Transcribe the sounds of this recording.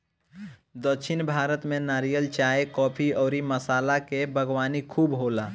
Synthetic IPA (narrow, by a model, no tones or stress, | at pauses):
d̪əkʃʰɪnbʱaːɾət̪mẽnaːɾijəlt͡ʃaːekɔːpʰiɔːɾiməsaːlakebʱəɡwaːnikʰuːbɦoːlaː